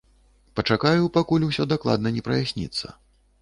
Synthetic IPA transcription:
pɐt͡ʂakajupakulʲusʲɔd̪aklˠa̰d̪nɐnʲɛpɾɐ̰jasʲnʲḭt̪sːɐ̰

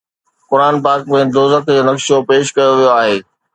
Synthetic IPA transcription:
kʊɾaːnpaːkmẽd̪oːzət̪d͡ʑoːnɐkʃopeːʃkɐjoʋijoaːɦeː

